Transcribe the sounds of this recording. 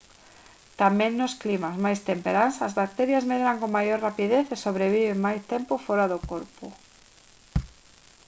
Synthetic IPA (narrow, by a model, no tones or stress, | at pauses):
t̪amẽŋnosklimazmajst̪empeɾansazβak̚t̪eɾjazmeðeɾaŋkoŋmːajoɾrapiðeθesoβɾeβ̞iβeŋmajst̪empofoɾaðokoɾpʊ̰